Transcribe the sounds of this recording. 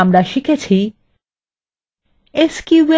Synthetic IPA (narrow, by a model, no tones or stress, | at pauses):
amɾaʃikʰet͡ɕʰi | eskiwe